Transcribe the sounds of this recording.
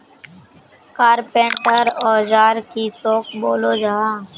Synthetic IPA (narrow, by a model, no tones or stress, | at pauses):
kaːɾpẽːɳʈəɾɔːd͡ʒaːɾkisoːkʰboːlod͡ʒaɦãː